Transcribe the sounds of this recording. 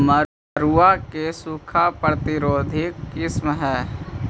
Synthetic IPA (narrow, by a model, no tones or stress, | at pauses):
mə | ɾuakesukʰapɾət̪ɪɾoːd̪ʱɪkːɪsmɦɛː